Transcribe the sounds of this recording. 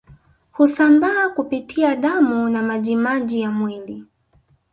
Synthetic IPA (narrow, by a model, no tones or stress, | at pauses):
husambaːkupitʰiaɗamunamaʄimaʄijamwili